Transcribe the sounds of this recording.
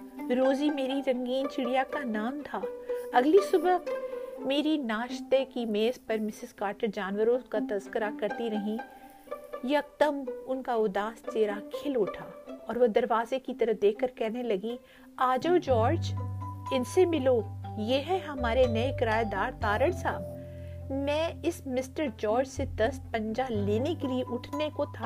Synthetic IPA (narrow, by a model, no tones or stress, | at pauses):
ɪɾoːzimeːɾiɾɐ̃ŋɡiːnt͡ʃɪɽijakanaːmt̪ʰaːɐɡlisʊbəmeːɾinaːʃt̪ekimeːzpɐɾmɪsɪzkaːɾʈəɾd͡ʒaːnwəɾõkat̪ɐzkəɾakɐɾt̪iɾɐɦĩ | jɐk̚t̪əmʊnkaʊd̪aːst͡ʃeːɾakʰɪloːʈʰaːɔːɾʋɐd̪ɐɾʋaːzekit̪ɐɾəfd̪eːkʰkəɾkɛɦnelɐɡĩ | aːd͡ʒoːd͡ʒɔːɾd͡ʒɪnsemɪlojeɦɛɦɐmaːɾenɐekɪɾaːjd̪aːɾt̪aːɾəɽsaːb | mɛ̃ːɪsmɪsʈəɾd͡ʒɔːɾd͡ʒsed̪ɐspɐ̃ɲd͡ʒaleːnekelieʔʊʈʰnekot̪ʰa